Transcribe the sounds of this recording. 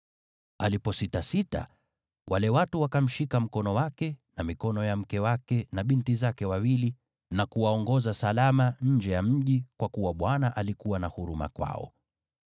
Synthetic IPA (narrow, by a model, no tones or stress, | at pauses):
alipɔsitasita̰ | wʔalɛwatuwakam̩ʃikam̩kɔnɔwakɛnamikɔnɔjam̩kɛwakɛnaɓintizakɛwawili | nakuwaɔŋɡɔzasalamaɲ̩d͡ʒɛjam̩ʄikwakuwaɓwanaʔalikuwanahuɾuma̰kwa̰ɔ̰